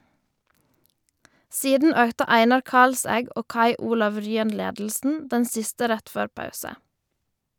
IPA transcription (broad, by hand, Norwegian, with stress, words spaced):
ˈsiːdn̩ ˈøːktə ˈæɪnɑɾ ˈkɑlsæɡ ˈoː ˈkɑɪ ˈuːlɑʋ ˈɹyːən ˈleːdl̩sn̩ ˈdɛn ˈsɪstə ˈɾɛt ˈføːɾ ˈpɑʉsə